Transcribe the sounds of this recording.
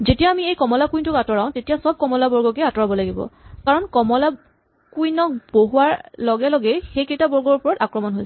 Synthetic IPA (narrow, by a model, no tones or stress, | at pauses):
zetijaːmiejkɔmɔlakujntʊkatɔɹaʊ̃tetijasɔb̚kɔmɔlabɔɹɡɔkɛatɔɹabɔlaɡibɔ̰kaɹɔnkɔmɔla | kujnɔk̚b̥oɦuwaɹlɔɡɛlɔɡɛxejkejtabɔɹɡɔɹupɔɹɔtakɹɔmɔnɦojs